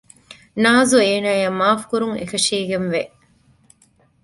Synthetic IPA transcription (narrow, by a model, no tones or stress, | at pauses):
naːzueːnaːjɐmaːfkuɾuŋḛkɐʃiːɡenʋe